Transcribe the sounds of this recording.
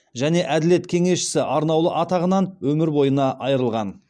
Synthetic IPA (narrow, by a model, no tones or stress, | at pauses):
ʒæne̞ʔæd̪ɪle̞t̪kʲʰe̞ŋe̞sʃɪ̥sɪʔɑɾnɑwlˠəʔɑt̪ɑʁənɑnwɵmɪɾbo̞jənɑʔɑjəɾəlˠʁɑn